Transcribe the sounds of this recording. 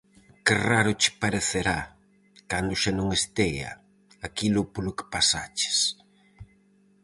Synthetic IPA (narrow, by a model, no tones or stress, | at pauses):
kɪraɾʊt͡ʃɪ̥paɾeθeɾa | kand̪ʊʃanõŋest̪ɛjɐ̰ | akilʊpolʊkɪ̥pasat͡ʃɪ̥s